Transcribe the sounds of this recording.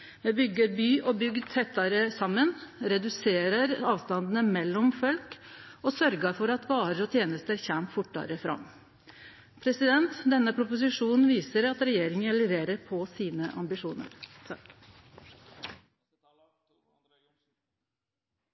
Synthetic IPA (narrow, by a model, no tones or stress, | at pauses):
mebʏɡːəɾbyːʔɔːbʏɡd̪̚t̪ʰɛt̪ːɑɾəsɑmːənɾɛd̪ʉseːɾəɾɑːʋst̪ɑnd̪n̩əmɛlːɔmfɔlkɔsœɾɡəɾfɔɾɑt̪ʋɑːɾəɾɔːt̪ʰjeːnəst̪əɾçæmt̪fʊʈːɑ̰ɾəfɾɑ̰mː | pʰɾɛsɪd̪ɛnt̪d̪ɛnːəpʰɾʊpʊs̬ɪʂuːnn̩ʋiːsəɾɑt̪ɾɛjeːɾɪŋənlɛʋeːɾəɾpʰɔsiːnəʔɑ̰mbɪʂuːnə̰ɾ